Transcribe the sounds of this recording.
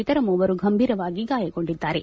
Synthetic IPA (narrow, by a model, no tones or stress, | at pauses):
it̪ɐɾɐmuːʋɐɾuɡʱɐmbʱiːɾɐʋaːɡiɡaːjɐko̞ɳɖid̪ːaːɾe̞